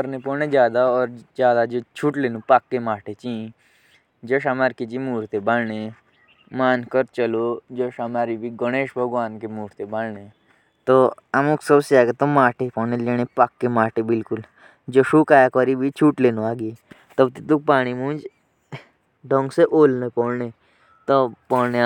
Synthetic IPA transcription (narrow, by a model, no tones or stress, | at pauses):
əɾnepɔːned͡ʒjaːd̪aɔːɾd͡ʒaːd̪ad͡ʒot͡ʃʰuːʈleːnũpakːemaːʈet͡ʃĩ | d͡ʒoʃamaːɾkit͡ʃimuːɾt̪ebalne | maːnkəɾt͡ʃəlod͡ʒoʃamaːɾibʱiɡəñeːʃbʱəɡʋaːnkemuːɾt̪ebalne | t̪ɔamuksəbsjaɡet̪ɔmaːʈepɔnẽleñepakːemaːʈebilkul | d͡ʒoʂukajakɔɾibʱit͡ʃʰuːʈlenuaɡi | t̪əbt̪it̪uk̚paːɽ̃imũːnd͡ʒ | ɖʱɔŋɡseʔoːlnepɔɽne | t̪ɔpɔɽne